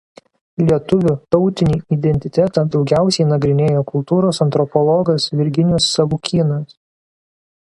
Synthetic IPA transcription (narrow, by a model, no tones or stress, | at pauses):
lʲiɛt̪ʊʋʲut̪ɔʊt̪ʲɪnʲiːid̪ʲɛnʲt̪ʲɪt̪ʲæt̪ɑd̪ɒʊɡʲæˑʊsʲɛɪnɐɡɾʲɪnʲeːjoːkʊlˠt̪uːɾoːsɐnt̪ɾɔpɔlˠɔɡɐsʋʲɪɾʲɡʲɪnʲʊsːɐʋuːkʲiːnɐs